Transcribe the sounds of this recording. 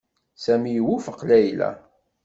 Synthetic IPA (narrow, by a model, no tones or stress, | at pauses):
sæmijwufəqːlæjlæ̰